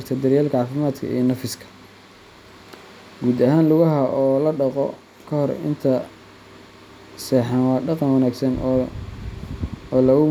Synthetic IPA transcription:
rt̪ʰɐd̪ɐɾjaːlkʰɐʕɑːfɪmaːd̪kʰɐ̰ḭnɐfɪskʰɐ̥ | ɡuːd̪ɐɦaːnlʊɣɐɦɐʔɔːlɐɖɑqɔ̰ | kʰɐhɔɾɪ̰nt̪ʰɐ | sɛːħɑnwɑːɖɑqɑnwɑnaːɡsɐn | ɔːlɐɣʊ

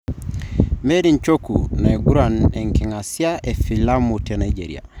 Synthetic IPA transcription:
medint͡ʃokunaeɡuɾanɛŋkɛŋasiaʔefilamutenaid͡ʒḛɾḭa̰

